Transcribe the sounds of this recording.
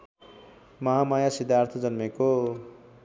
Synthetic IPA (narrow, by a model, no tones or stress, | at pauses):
mʌɦamajasid̪ʱjart̪ʰʌd͡zʌnmeko